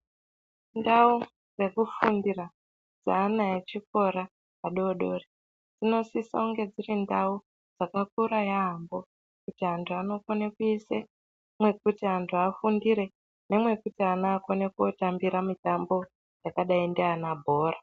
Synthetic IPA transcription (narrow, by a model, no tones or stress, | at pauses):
ndau | re̞kufundira | d͡zaːnaet͡ʃik̚o̞ɾa | aɗo̞ɗoːre | d͡zino̞sisa̰uŋɡe̞d͡zirindau | d͡zakak̚uɾajaɦːmbo̞ | kutiɦantʰuano̞konekuise | mwe̞k̚utiɦantʰuafundiɾe̞ | ne̞mwe̞kutianaːkonekuotambiɾamitambo̞ | jakaɗaindeanabʱo̞ːra